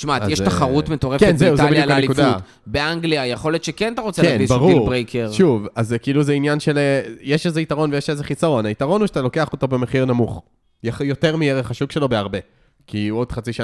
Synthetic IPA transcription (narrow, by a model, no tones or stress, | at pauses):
t͡ʃmaatjeʃt̪aχaʁutmet̪oʁekenzeiuzolbijualkanelikufd̪a | beaŋɡliajeχo̞let̪ʃekenat̪aʁot͡seaenvisbaʁuilʁbʁejkʰeʁʃuvazekiiluzeinjanʃelejeʃezeitaʁo̞nvejeʃezeχisaʁo̞naitaʁo̞nuʃatalo̞ke̞aχo̞to̞bemeχiʁnamuχ | jaχjo̞te̞ʁmieʁeχhaʃukʃe̞lo̞beaʁbe̞ | kio̞d̥̪χat͡siʃa